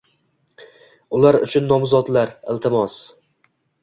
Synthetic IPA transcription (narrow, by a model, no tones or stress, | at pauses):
ʊlaɾʊ̰t͡ʃʰʊnːɒmzɒt̪laɾɪlt̪ʰɪmɒs